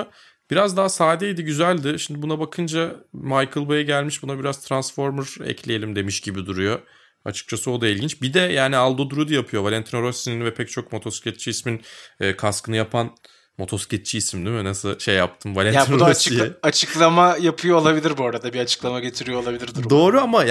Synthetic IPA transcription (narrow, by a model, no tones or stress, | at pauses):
b̥iɾazd̪aɦasaːd̪ɛjd̪iɟyzælʲd̪ɪʃimd̪ibunabakʰɯnd͡ʒamajkʰɯlˠbajaɟælʲmiʃbunabiɾazt̪ʰɾansfo̞ɾmɯɾɛ̰cʰlʲejelʲimd̪e̞miʃɟibid̪uɾujo̞ | a̰t͡ʃʰɯ̥k̚t͡ʃʰasɯo̞d̪ailʲɟint͡ʃbid̪ɛjaːnialˠd̪o̞d̪uɾud̪ujapʰɯjo̞valʲɛnt̪ʰinoɾosininvɛpʰɛc̚t͡ʃʰo̞kmo̞t̪ʰosi̥cʲet̪̚t͡ʃʰiisminɛːkʰaskɯnɯjapʰan | mo̞t̪ʰo̞scɛt̪̚t͡ʃʰiisimd̪imynasɯʃejːap̚t̪ʰɯmvalʲɛnʰinuod̪ɾosiat͡ʃʰɯklˠamajapʰɯjoːlˠabilʲiɾbuaɾad̪abiat͡ʃʰɯ̥klˠamaɟe̞t̪ʰiɾijo̞lˠabilʲiɾd̪iɾd̪o̞ːɾuama